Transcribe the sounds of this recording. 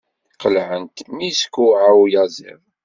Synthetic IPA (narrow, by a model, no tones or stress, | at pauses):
qəlʕənt̪miskːuʕawjɑzḭðˤ